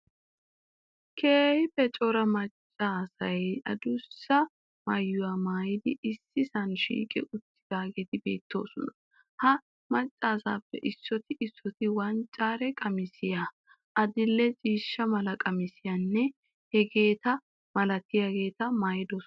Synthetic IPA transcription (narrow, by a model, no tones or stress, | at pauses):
kʰeːhɪbɛt͡ʃʼɔɾɐmɐt͡ʃʼːaːsɐjɐ̰d̪ʊsːɐ | mɐjːʊwaːmaːjɪd̪ɪɪsːɪsɐnʃḭːkʼɪ̰ʔʊt̪ːɪ̥d̪̥aːɡet̪ɪbe̞̰ːt̪ːo̞̰ːsɔnɐ | hɐ | mɐt͡ʃʼːaːsaːpːɛʔɪsːɔt̪ɪʔɪsːɔt̪ɪwɐnt͡ʃʼːaːɾɛkʼɐmɪsɪja | ʔɐd̪ɪlːɛt͡ʃʼiːʃːɐmɐlɐkʼɐmɪsɪjɐnːɛ | hɛɡe̞ːt̪ɐ | mɐlɐt̪ːɪjaɡe̞ːt̪ɐmɐjɪd̪oːs